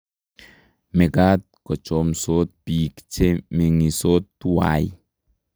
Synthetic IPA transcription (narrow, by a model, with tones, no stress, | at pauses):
me˨ɡat̪̚kɔ˨t͡ʃomsot̪̚piː˨kt͡ʃeme˨ŋi˨sot̪ːu˦wa̰j